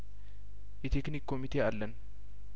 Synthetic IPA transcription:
ʔɪt̪eknikːomit̪eɐlːɐn

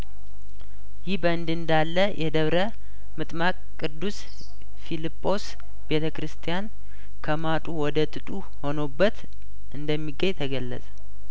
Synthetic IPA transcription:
jɪhbəɨnd̪ɨnd̪alːəjʔɛd̪əβɾə | mɨt̪ʼmakʼkʼːɨd̪ːus | filipʼːo̞s | b̥e̞t̪ʰəkɾɨst̪ʰijan | kʰəmat̪ʼuwɔd̪ət̪ʼɨt̪ʼu | ho̞nobːət̪ | ʔɨnd̪əmːiɡːəɲt̪ʰəɡəlːə̰sʼə̥

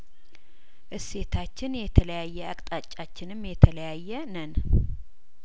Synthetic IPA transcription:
ʔɨse̞t̪ʰat͡ʃːɪnjɛt̪ʰələjajːɛakʼt̪ʼat͡ʃʼːat͡ʃːɪnɨmjɛt̪ʰələjajːɛnən

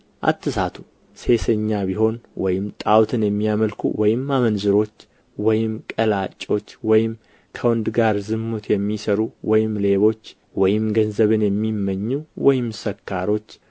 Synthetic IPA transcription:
ʔa̰t̪ːɨsat̪ʰu̥ | se̞səɲːaβiho̞nwɔjɪmt̪ʼawt̪ʰɨnjɛmːijaməlkʰṵwɔjɪmamənzɨɾo̞t͡ʃː | wɔjɪmkʼəlat͡ʃʼːo̞t͡ʃːwɔjɪm | kʰəwɔnd̪ɡaɾzɨmːut̪ʰjɛmːisəɾuwɔjɪmle̞βo̞t͡ʃː | wɔjɪmɡənzəβɨnjɛmːimːəɲːuwɔjɪmsəkʰːaɾo̞t͡ʃː

